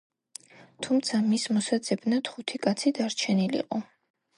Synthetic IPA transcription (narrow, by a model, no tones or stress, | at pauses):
t̪ʰumt̪sʰamismɔsad̪zɛbnat̪χut̪ʰikʼat̪sʰid̪aɾt͡ʃʰɛnilḭqʼɔ